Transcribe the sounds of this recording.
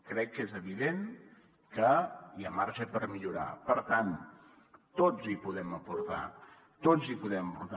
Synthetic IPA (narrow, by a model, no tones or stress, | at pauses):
kɾɛkːezəβiðen | kəjamaɾʃəpəɾmiʎuɾa̰pəɾt̪an | t̪od͡zipuðɛməpuɾt̪a̰ | t̪od͡zipuðɛməpuɾt̪a